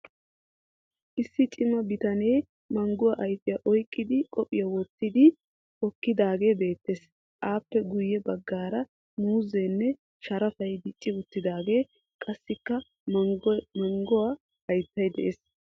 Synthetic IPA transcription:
ʔɪsːɪt͡ʃʼɪmɐbɪt̪ɐnej | mɐŋɡʊwɐʔɐjt̪ːɪjɐʔɔjkʼːɪd̪ɪkʼɔpʼɪjɐwɔt̪ːɪd̪ɪ | kɔkːɪd̪aːɡe̞ːbe̞ːt̪ːes | ʔaːpːɛɡʊjːɛbɐɡːaːɾɐ | muːzeːnːɛ | ʃɐɾɐfɐjd̪ɪt͡ʃʼːɪʊt̪ːɪd̪aːɡe̞ː | kʼɐsːɪkːɐ | mɐŋɡʊwa | ɐjt̪ːɐjd̪ɛʔeːs

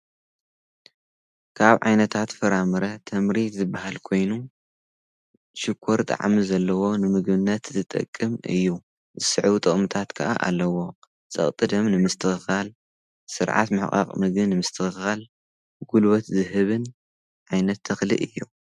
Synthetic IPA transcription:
kʰaβʕa̰jnɐt̪ʰat̪fɐɾamɨɾɐt̪ʰɐmɾit̪zɨbahalkʰo̞jnu | ʃɪkʰːoɾt̪ʼa̰ʕmizɐlːɐwo̞nɨmɨɡbɨnːɐt̪zɨt̪ʼɐ̰kʼːɨmɨ̰jːu | zɨsɨʕt̪ʼɨχʼmɨt̪ʰat̪kʰɐʔa̰ʔa̰lːɐwo̞ | t͡sʼɐ̰χʼt̪ʼɨd̪ɐmnɨmɨst̪ʰɨxɨxal | sɨɾʕa̰t̪mɨħχʼa̰qʼmɨɡɨnɨmɨst̪ʰɨxɨxal | ɡulwɐt̪zɨɦɨβɨn | ʕajnɐt̪ʰːɐxlḭʔɨjːu

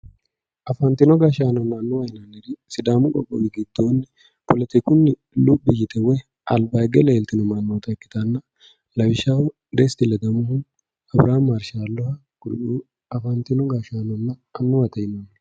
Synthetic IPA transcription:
ʔɐfɐnt̪ɪnɔɡaʃaːnɔnːɐːnːʊwɐjɪnɐnɛɾɪsɪd̪aːmʊkʼɔ̰kʼːɔ̰ɡɪɡɪd̪̥ːoːnːɛ | pɔlɐt̪ɪkʊnːɪ | lubːɪjɪt̪ɛwɛ | ʔɐlbɐjɡɛlɐɛlt̪ɪnɔmɐnːoːt̪ɐkːɪ̥t̪ɐnːɐ | lɐbɪʃawʊ | d̪ɛst̪ɪlɛd̪ɐmʊhʊ | ɐbɾaːmɐɾʃaːlːɔhɐ | kʊɾʔuː | ɐfɐnt̪ɪnɔɡaʃaːnɔnːɐɐnːʊwɐt̪ɐjɪnonː

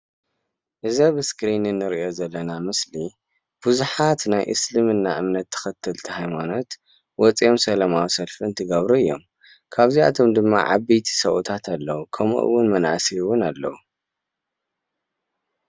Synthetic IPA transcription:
ʔɨzɐβɨskɾinɨnːɨɾiʔo̞zɐlːɐnamɨsli | b̥ɨzuħat̪najʔɨ̰slɨmɨnːa̰ʔɨmnɐt̪ʰːɐ̥xɐt̪ʰːɨlt̪ʰihajmano̞t̪ | wɔt͡sʼijomsɐlɐmawsɐlfiɨnt̪ʰɨɡɐβɾuɨjːo̞̰m | kʰaβzia̰t̪ʰo̞md̪ɨmːa̰ʕa̰bejt̪ʰi̥sɐʔut̪ʰat̪ʰalːɐwukʰɐmṵʔɨ̰wːʊnmɐnʔa̰siwʊnalːɐwu

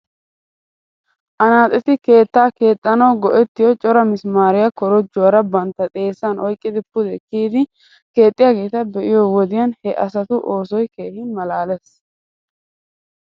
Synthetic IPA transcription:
ʔɐnaːt̪ʼɛt̪ɪke̞ːt̪ːaːke̞ːt̪ʼːɐnɐwɡɔʔɛt̪ːɪjɔt͡ʃʼɔɾɐmɪsmaːɾɪjɐkɔɾɔd͡ʒʊwɐɾɐbɐnt̪ːɐt̪ʼe̞ːsːɐnɔjkʼːɪd̪ɪpːʊd̪ɛkːiːd̪ɪ | ke̞ːt̪ʼːɪjaːɡe̞ːt̪ɐbɛʔɪjɔwɔd̪ɪjɐnhɛʔɐsɐt̪ʊʔoːsɔjke̞ːhɪnmɐlaːlɛs

